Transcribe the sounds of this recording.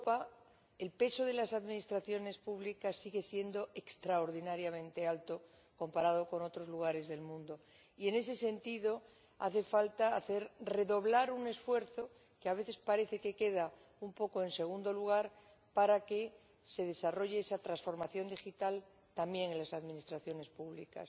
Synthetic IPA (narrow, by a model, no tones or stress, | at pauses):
opa | elpe̞so̞ð̞e̞lasaðmĩnist̪ɾaθjo̞ne̞spuβlikasːiɣe̞sje̞nd̪o̞e̞kst̪ɾaoɾðinaɾjamẽ̞nt̪e̞alt̪o̞ | ko̞mpaɾað̞o̞ko̞no̞t̪ɾozluɣ̞aɾe̞zðe̞lmũnd̪o̞ | ie̞ne̞s̬e̞se̞nt̪iðo̞ | a̰θe̞falt̪aːθe̞ɾre̞ðo̞βlaɾune̞sfwe̞ɾθo̞ | keaβe̞θe̞spaɾe̞θe̞ke̞ke̞ð̞a | umpo̞ko̞e̞nse̞ɣ̞und̪o̞luɣ̞aɾ | paɾake̞ | se̞ð̞e̞saro̞ʝeesat̪ɾansfo̞ɾmaθjo̞nd̪ixit̪al | t̪ambje̞ŋenlasaðmĩnist̪ɾaθjo̞ne̞spuβlḭka̰s